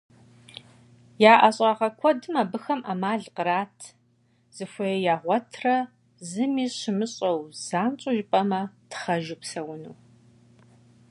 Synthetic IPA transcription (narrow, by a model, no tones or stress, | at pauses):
jaːʔɐɕʼɐʁɐkʷʰɔdɨmaːbɨxɐmʔamaːɮqəɾaːtʰ | z̥ɨxʷɐjɛjaːʁʷɔtʰrɐ | zɨmiːɕɪmɨɕʼɐwz̥aːnt͡ʃʼʊʒɪpʼɐmɐtʰχɐʒupsɐwʊnuː